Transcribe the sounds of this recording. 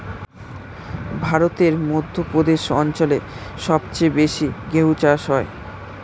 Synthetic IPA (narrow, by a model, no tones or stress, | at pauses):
bʱaɾot̪eɾmod̪ʱːopɾod̪eʃɔnt͡ɕoleʃɔbt͡ɕebeʃiɡeɦut͡ɕaʃɦɔe